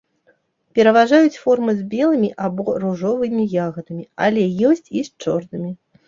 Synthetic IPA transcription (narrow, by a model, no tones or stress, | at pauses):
pʲɛɾɐvaʐajut͡sʲfɔrmɨzʲbʲɛlˠɨmʲiʔabɔruʐɔvɨmʲijaɣɐd̪ɐmʲia̰lʲɛjɔsʲt͡sʲist͡ʂɔrnɨmʲi